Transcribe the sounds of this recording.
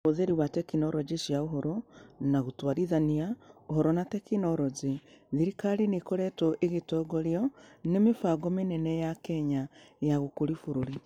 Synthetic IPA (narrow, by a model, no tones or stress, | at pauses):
oðeɾiwatekinoɾɔd͡ʒeʃiaoɦɔɾɔnaɣutwaɾiðaniaoɦɔɾɔnatekinoɾɔd͡ʒeðiɾikaɾinekoɾɛtɔʔeɣetɔɡoɾjɔnemefaɡɔmenɛnɛjakɛɲajaɣokoɾifoɾoɾi